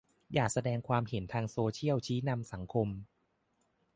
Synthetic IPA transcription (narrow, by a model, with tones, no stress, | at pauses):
jaː˨˩k̚sa˧dɛː˧ŋkʰwaː˧mhe˩˦nt̪ʰaː˧ŋsoː˧t͡ɕʰi˥˩əwt͡ɕʰiː˦˥na˧msa˩˦ŋkʰo˧m